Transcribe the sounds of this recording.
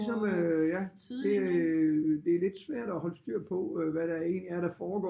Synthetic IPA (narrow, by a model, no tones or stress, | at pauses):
sɒ̽mjæ | d̥e̝æ | d̥e̝æɐle̝d̥sʋæɐ̰ɾ̥ɒhɒ̽ləsd̥yɐ̰pʰɒ̽ʋæɾæe̝̰ːnliæɐɾ̥æfɒːɡ̥ɒ̰